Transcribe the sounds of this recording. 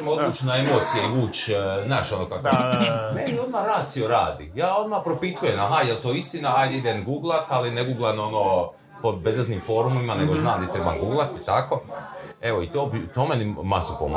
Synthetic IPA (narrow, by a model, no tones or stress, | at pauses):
mod̪uːt͡ʃnaemoːt̪sijeiuːt͡ʃ̪naːʃo̞nokakomenio̞d̪maɾaːt̪sio̞ɾaːd̪ḭjaːo̞d̪mapɾo̞pit̪ujemaɦajelt̪oːist̪inaajd̪eid̪enɡuːɡlˠat̪alineɡuːɡlˠano̞noː | pobezeznimfo̞ːɾumimaneɡo̞znaːmd̪et̪ɾeba̰ɡuːɡlˠat̪it̪ako̞eʋoit̪oːbit̪oːmenimasupo̰m̰